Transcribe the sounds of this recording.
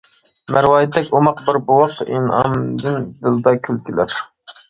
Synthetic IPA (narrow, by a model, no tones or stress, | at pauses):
mæɾwɑːjit̪ʰːɛkʲomɑqbɪɾbuwɑqḭnɑ̰md̪ɨnd̪ɨld̪ɑkʲʰylkʲʰilæ̰ɾ